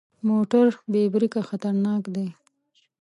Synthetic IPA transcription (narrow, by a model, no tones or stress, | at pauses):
moʈaɾbebɾikaxat̪aɾnɑkd̪e